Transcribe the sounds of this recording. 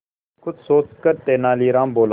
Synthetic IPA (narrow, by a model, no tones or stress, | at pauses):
kʰʊd̪soːt͡ʃkəɾt̪eːnaːliːɾãːmboːl